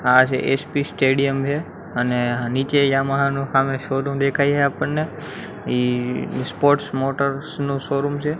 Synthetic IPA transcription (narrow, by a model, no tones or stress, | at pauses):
at͡ʃʰeʔeːspisʈeːɖijəmɦe | əneniːt͡ʃejãːmaɦnũhaːmẽʃoːɾumd̪ekʰaːiaːɦeapəɳnːe | iːspoːɾʈsmoːʈəɾsnũʃoɾumt͡ʃʰe